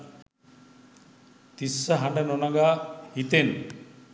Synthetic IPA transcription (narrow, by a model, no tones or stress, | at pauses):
t̪isːaɦaɳɖanɔnaɡait̪en